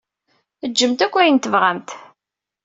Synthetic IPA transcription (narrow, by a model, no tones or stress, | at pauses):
əd͡ʒːəmt̪ækʷːæjənt̪əvʁamt̪